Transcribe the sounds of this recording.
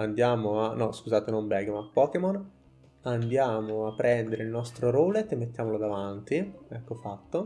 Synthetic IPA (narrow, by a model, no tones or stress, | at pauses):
and̪jaːmoanɔskuzaːt̪enombɛɡemapːɔːkemon | and̪jaːmoapːɾɛnd̪eɾeilnɔst̪ɾoɾoːlet̪ːemːet̪ːjaːmolod̪avant̪iɛkːofat̪ːo